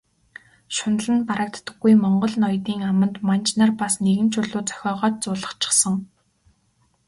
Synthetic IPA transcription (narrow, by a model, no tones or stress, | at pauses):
ʃʊnə̆ɮɘ̆npaɾə̆k̚t̪ːə̥̆ɡːujmɔɴɢɞ̆ɮnɔjt̪iːŋamə̆nt̪mant͡ɕnarpasneɣɘ̆nt͡ɕʰʊɮʊːt͡sœ̥xʲɔːʁœːt̪̚t͡sʊːɮə̥̆χt͡ɕʰɪ̥̆χsə̆ŋ